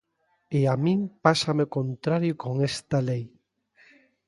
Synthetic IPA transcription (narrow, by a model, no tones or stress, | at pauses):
eamĩŋpasamekont̪ɾaɾjokoŋest̪alej